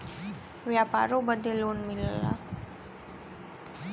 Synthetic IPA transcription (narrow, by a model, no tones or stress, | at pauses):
ʋjapa̰ɾobəd̪eloːnmilla̰